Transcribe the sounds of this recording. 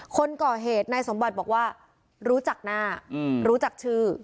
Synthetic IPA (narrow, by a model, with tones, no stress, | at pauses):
kʰo˧nkɔː˨˩ɦeː˨˩t̪̚na˧jso˩˦mba˨˩t̪̚bɔː˨˩k̚waː˥˩ | ɾuː˦˥t͡ɕa˨˩k̚naː˥˩ɾuː˦˥t͡ɕa˨˩k̚t͡ɕʰɯː˥˩